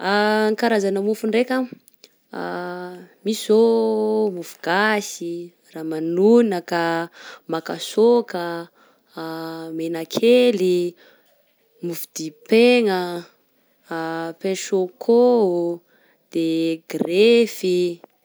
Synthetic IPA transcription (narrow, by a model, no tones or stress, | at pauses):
aŋkaɾazanəmufuɳɖ͡ʐekʲə | mizomufu̥ɡ̥asi | ramanunəkamakasokə | menakʰeli | mufud̪̥ipeŋə | pẽʃokʰo | d̪̥eɡrefi